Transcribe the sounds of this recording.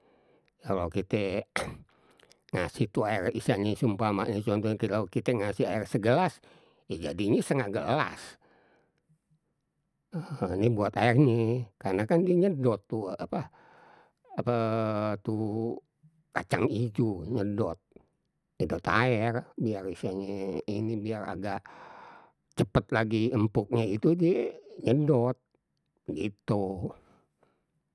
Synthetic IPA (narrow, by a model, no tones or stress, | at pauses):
kalokit̪ɛ | ŋa̰siht̪uaɛrisaɲɛsumpama̰ʔɲit͡ʃuant̪ukilakit̪ɛŋasihaɛrsəɡəlas | ed͡ʒa̰diɲɛsəŋaɡəla̰s | ənibuat̪aɛrnikarnakandiɲədɔt̪ːuapa | apat̪u | kat͡ʃaŋid͡ʒuɲədɔt̪̚ | ɲədɔt̪a̰ɛrbiarisiaɲeinibiara̰ɡaʔ | t͡ʃəpət̪̚laɡiəmpʊk̚ɲait̪udieɲədɔt̪̚ | ɡḭt̪u